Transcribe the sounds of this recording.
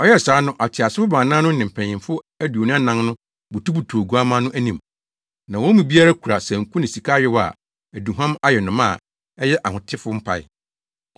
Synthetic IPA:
ɔ˦jɛ˦˨saː˨˦nʊ̃˦ʔa˨tʰɪ˨a˨sɪ˦fʊ˦bãː˨nãː˦nʊ̃˦n̩˦nɪ̃˨m̩˨pʰɛ̃˨ɪ̃˨fʊ˦ | æ˦du˨o˨nũ˦a˦nã˦ŋnʊ̃˦ | bu˨tu˦bu˨tʰu˨o˨ɡu˨˦a˦mã˦nʊ̃˦ʔæ˦nĩ˨m | nã˨wɔ̃˦mĩ˨bi˦a˦ɾa˦kʰu˨ɾa˨sɛ̃˨ŋ̩˨kũ˦nɪ̃˨si˨kʰa˦jɪ˦wa̰˨ | æ˨du˨ɦã˦ma˦jɛ˨nʊ̃˨mã˦˨ | ɛ˦jɛ˦ʔa˨hʊ̃˨tʰɪ˦fʊ˦m̩˦pʰa̰˨ɪ̰˦˨

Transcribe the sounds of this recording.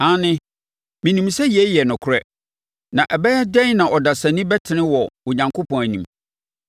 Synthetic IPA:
ã˦nɪ̃˦ | mĩ˨nĩ˨msɛ˦ji˨ɛ˦jɛ˨nʊ̃˨kʰʊ˨˦ɾɛ˦ | nã˨ʔɛ˨bɛ˦jɛ˦dɛ̃˦nã˨ʔɔ˨da˨sa˨nĩ˦bɛ˦tʰɪ˨nɪ̃˦wɔ˨wʊ̃˨ɲã˨ŋkʰo˦pʰɔ̃˨æ˨nĩ˨m

